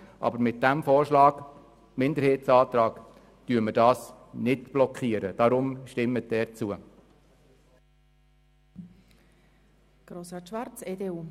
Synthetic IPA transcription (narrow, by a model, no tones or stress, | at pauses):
ʔɑ̰bəɾmɪt̚d̥æmfɔːɾʃlɑːɡ | mɪndəɾheːtsɑːt̪ɾɑːk | tyːɾmədɑːs | nɪdb̥lɔkχiːəɾəd̥ɑɾʊmʃtɪmːət̚d̥ɛːɾt͡suə | ɡ̥ɾosɑtʃʋɑrt͡seːdeːuː